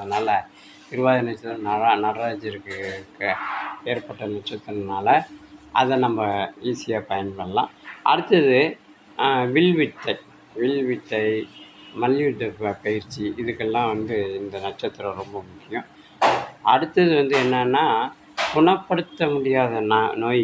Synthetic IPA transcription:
ɐðɯnaːlɐ | ɪɾɯʋaːðɐnɐʈt͡ʃːɐt̪ːɯɾɐnɐɾanɐɾaːd͡ʒɪɾɯkːɯkːɯeːɾpɐʈːɐnɐʈt͡ʃːɐt̪ːɯnnaːlɐʔɐ̰ðɛnɐmbɐiːsɪjaːpɐjɐnpɐɳɐlã̰ːɐ̰ɽɯt̪ːɐðɯ | ʋɪɭʋɪʈːɐɪ | ʋɪlʋɪʈːɐɪ | mɐljuɖɯpɐjɪɾt͡ʃːiɪðɯkːɛlːãːʋɐnd̪ɯɪnd̪ɐnɐʈt͡ʃɐt̪ːɯɾɐ̃ɾɔmbɐmʊkːɪjʊ̃ | ɐɽɯt̪ːɐðɯʋɐnd̪ɯɛnːɐnːaː | kʊɳɐpːɐɽɯt̪ːɐmʊɽɪjaːðɐnanoːj

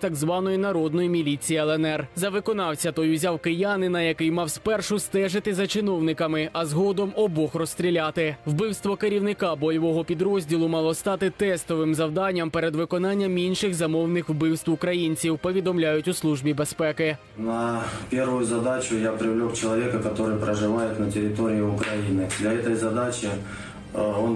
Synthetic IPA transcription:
t̪ɐɡzʋɑnɔjinɐɾɔd̪nɔjimʲilʲit͡sʲijiɛlˠɛnɛrzɐʋɪkɔnɑwt͡sʲɐt̪ɔjʊzʲawkɪjanɪnɐjɐkɪjmɑwspɛrʃʊst̪ɛʒɪt̪ɪzɐt͡ʃɪnɔwnɪkɐmɪʔɐzɦɔd̪ɔmɔbɔxrɔst̪ʲɾʲilʲɑt̪ɪʋbɪwst̪ʋɔkeɾʲiwnɪkɑbɔjɔʋɔɦɔpʲid̪ɾɔzʲdʲilˠʊmɑlˠɔst̪ɑt̪ɪt̪ɛst̪ɔʋɪmzɐwd̪ɑnʲːɐmpɛɾɛd̪ʋɪkɔnɑnʲːɐminʃɪxzɐmɔwnɪxwbɪwst̪ʋʊkɾɐjinʲt͡sʲiwpɔʋʲid̪ɔmlʲajʊtʲʊslˠuʒbʲibespɛkɪ | nɐpʲerʋʊjʊzɐd̪at͡ɕʊjapɾʲɪvlʲokt͡ɕɪlˠɐvʲekɐkɐt̪o̞ɾɨjpɾəʐɨʋajɪt̪nɐtʲɪɾʲɪt̪oɾʲɪɪʊkɾɐjinɪd̪lʲɐɛt̪əjzɐd̪at͡ɕɪ | on

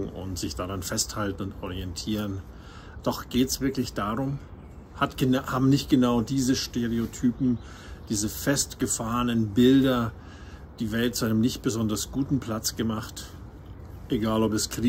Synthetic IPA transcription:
ʊ̰ntz̥ɪçd̥aːʁanfɛsthaltn̩ʊntʔɔʁ̞iɛntʰiːʁən | d̥ɔχɡ̥eːtsv̥ɪɐklɪçd̥aːʁʊm | hathaːbm̩nɪçt̚ɡ̥ənaʊdiːzəʃteʁeotʰyːpm̩ | d̥iːzəfɛstɡ̥əfaːʁənənbɪldɐ | d̥iːvɛlt̚t͡suʔaɪnəmnɪçt̚b̥əzɔndɐsɡ̥uːtn̩pl̥at͡sɡ̥əmaχt | ʔeɡaːlɔpɛskʁ̥iː

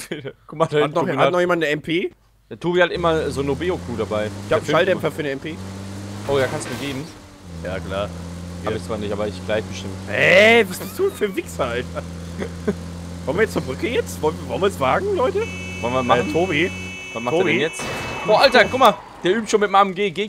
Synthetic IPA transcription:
kʰʊmahatnɔhatnɔχjeːmandnəɛmpʰeː | atʰoːbihatʔɪmɐzoːnobeːokʰuːdabaɪɪçaːʃaldɛpfɐfyːɐnəɛmpʰeːʔoːjaːkanstumiɐɡeːbm̩ | ja̰ːkl̥aː | bɪçt͡sv̥aːɐnɪçtʔaːbɐɪçɡ̥laɪçb̥əʃtɪməhɛvasb̥ɪsd̥uːnfyːɐvɪksaaɪnfaχ | kʰɔmviːjɛt͡suɐbʁʏkəjɛt͡svɔlivɔlnviːsv̥aːɡŋ̩lɔʏtə | vɔlnviɐman̩tʰoːbi | vasmaoːdbɛijɛt͡sʔoːʔaltɐkʰʊk̚ma | d̥eːɐʔyːp̚tʃoːnmɪtmaːmənɡeːɡeː

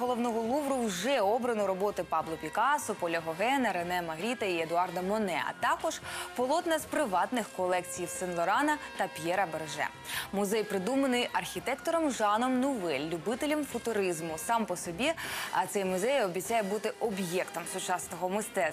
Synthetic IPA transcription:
ɦɔlˠɔʋnɔɦɔlˠuʋɾʊwʒɛɔbɾɐnɔɾɔbɔt̪ɪpɑʋlˠɔpʲikɑsɔpɔlʲɐɦɔɦɛnɐɾenɛmɐɦɾʲit̪ɐied̪ʊɑrd̪ɐmɔnɛɐ̰t̪ɑkɔʒ̥pɔlˠɔt̪nɐzpɾɪʋɑt̪nɪxkɔlˠɛkt͡sʲijiwsɪnlˠɔɾɑnɐt̪ɐpʲjɛɾɐbɛrʒɛ̰ | mʊzɛjpɾɪd̪umɐnɪjɐrxʲit̪ɛkt̪ɔɾɔmʒɑnɔmnʊʋɛlʲːubɪt̪elʲɐmfʊt̪ʊɾizmʊsɑmpɔsɔbʲit̪sɛjmʊzɛjɔbʲit͡sʲːajɛbut̪ɪʔɔbjɛkt̪ɔmsʊt͡ʃɑsnɔɦɔmɪst̪ɛ

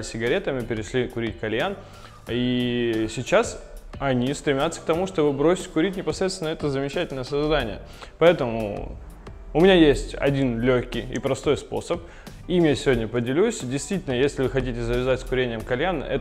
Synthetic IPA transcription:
lɪsʲɪɡɐɾʲet̪əmʲɪpʲɪɾʲɪʂlʲikʊɾʲitʲkɐlʲjan | isʲɪt͡ɕasɐnʲifst̪ɾʲɪmʲat̪sːə̥k̚t̪ɐmuʂt̪o̞bɨbɾo̞sʲɪ̥t̚ʲkʊɾʲit̬̚ʲnʲɪpɐsɾʲet̪t̪vɪnəɛt̪əzəmʲɪt͡ɕætʲɪlʲnəjəsɐzd̪anʲɪjə̰ | pɐɛt̪əmʊ̰ | ʊmʲɪnʲajesʲtʲɐ̰dʲinlʲoxʲkʲɪjḭpɾɐst̪o̞jspo̞̰səp | imjasʲɪvʲodʲnʲəpədʲɪlʲusʲdʲɪjst̪vʲitʲɪlʲnəjesʲlʲɪvɨxɐtʲitʲɪzəvʲɪzatʲskʊɾʲenʲɪjəmkɐlʲjanɛ̰

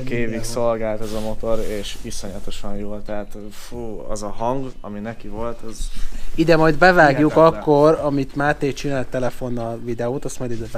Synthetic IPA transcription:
keːvikso̞lɡaːlt̪ɛzɒmo̞t̪o̞ɾeːʃʋisoɲɒt̪oʃɒnjoːlt̪ɛɦaːt̪ | fuɒ̰zɒɦɒŋɡɒ̰minɛkivo̞lt̪ɒzid̪ɛmɒjd̪bɛvaːɡjukkɒkːo̞rɒmit̪maːrt̪eːt͡ʃinaːlt̪ːɛlɛfo̞nːɒlvid̪ɛoːt̪ɒst̪mɒjd̪id̪ɛ

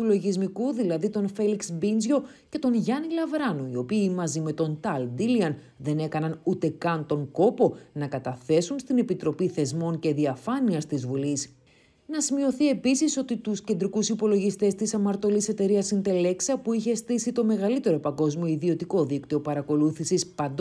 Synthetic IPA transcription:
t̪ulo̞ʝizmikuðilɐðit̪o̞nfe̞liksbinzʝo̞ | ce̞t̪o̞nʝɐnilɐvɾɐnoio̞piːmɐzime̞t̪o̞nt̪ɐld̪iliɐn | ðe̞ne̞kɐnɐnut̪e̞kɐnt̪o̞ŋko̞po̞nɐkɐt̪ɐθe̞sunst̪ine̞pit̪ɾo̞piθe̞zmo̞nce̞ðiɐfɐniɐst̪izvulis | nɐsimio̞θie̞pisiso̞t̪it̪usce̞nd̪ɾikusipo̞lo̞ʝist̪e̞st̪isɐmɐɾt̪o̞lise̞t̪e̞ɾiɐsind̪e̞le̞ksɐpuiçe̞st̪isit̪o̞me̞ɣɐlit̪e̞ɾo̞pɐŋɡo̞zmio̞iðio̞t̪iko̞ðikt̪io̞pɐɾɐko̞luθisispɐnd̪

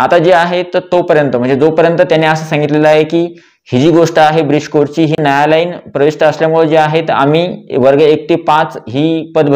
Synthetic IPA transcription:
at̪ad͡ʑeaɦet̪t̪ːopəɾjənt̪əm̤ə̃ɳd͡zed͡zopəɾjənt̪ət̪janːeːəsəːsãŋɡit̪leləaɦekiː | hid͡ʑiːɡoʂʈəaɦebɾid͡ʑkoɾt͡ɕiːɦiːnəjalaiːnpɾəʋiʂʈəəsljamuɭəd͡ʑeaɦet̪a̰miːʋəɾɡɭəek̚t̪iːpãt͡sɦiːpəd̪bʱ

